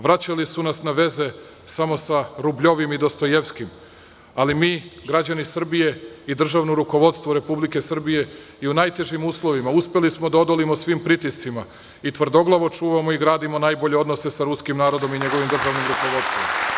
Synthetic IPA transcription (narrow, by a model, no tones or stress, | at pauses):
ʋɾat͡ɕalisunasnaʋe̞ze̞ | samo̞saɾubʎo̞ʋimid̪o̞st̪o̞jeʋskim | alimiːɡɾad͡ʑanisr̩bije̞id̪r̩ʒaʋnoɾuko̞ʋo̞d̪st̪ʋoɾe̞publike̞sr̩bije̞ | iunajt̪e̞ʒimuːslˠo̞ʋimauspe̞lismo̞d̪ao̞d̪olimosʋimpɾit̪ist̪sima | it̪ʋr̩d̪o̞ɡlˠaʋo̞t͡ʃuːʋamo̞iɡɾaːd̪imo̞najbo̞ʎe̞o̞d̪nose̞saɾuskimnaːɾo̞d̪o̞miɲe̞ɡo̞ʋimd̪r̩ʒaʋnimɾuko̞ʋo̞d̪st̪ʋomo